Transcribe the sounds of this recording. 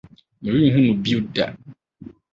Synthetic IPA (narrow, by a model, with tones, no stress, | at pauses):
mĩ˨wĩ˦˨ɦũ˦nũ˨bi˦u˦da̰˨